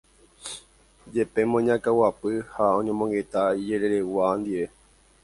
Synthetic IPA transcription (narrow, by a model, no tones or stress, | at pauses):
d͡ʒe̞pe̞mõɲãkawapɨhaõ̞ɲõmõ̞ŋɡe̞t̪aid͡ʒe̞ɾe̞ɾe̞wand̪iʋe̞